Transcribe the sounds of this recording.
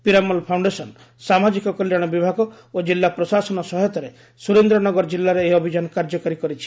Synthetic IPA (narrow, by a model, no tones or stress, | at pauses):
piɾamɔlpʰawɳɖesɔn | samad͡ʒikɔkɔljaɽ̃ɔbibʱaɡɔ | od͡ʒilːapɾɔsasɔnɔsɔɦɔt̪ɔɾe | suɾend̪ɾɔnɔɡɔɾɔd͡ʒilːaɾeːɔbʱid͡ʒanɔkaɾd͡ʒɔkɔɾikɔɾit͡ʃʰi̥